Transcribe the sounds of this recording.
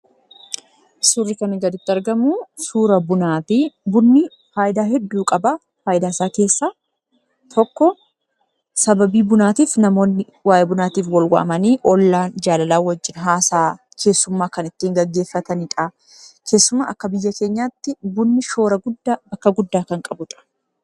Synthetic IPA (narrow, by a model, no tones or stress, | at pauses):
sʊrːɪkɐnɪɡɐd̪ɪt̪ːɪɐɾɡɐmuːsuːɾɐbʊnaːtɪbʊnːɪ | faːjɪd̪aːɦɛd̪ːuːkʼɐbɐ | faːʔɪd̪aːɪsaːke̞ːsːaː | t̪ʰɔkːɔ | sɐbɐbiːbʊnaːt̪iːfnɐmo̞ːnːɪ | waːjebʊnaːt̪iːfwɐlwɐ̰ʔɐ̰mɐniːʔɔlːaːnd͡ʒaːlɐlaːwɐd͡ʒːɪnɦaːsaː | kʰe̞ːsːʊmːaːkɐnɪt̪ːiːŋɡɐɡːe̞ːfːɐt̪ɐnɪᶑ̪a | kʰe̞ːsːʊmːa̰ːʔɐkːɐbɪjːɐke̞ːɲːaːt̪ːɪbʊnːɪʃo̞ːɾɐɡʊd̪ːabɐkːɐɡʊd̪ːaːkɐŋkʼɐbʊᶑ̪ʼɐ̥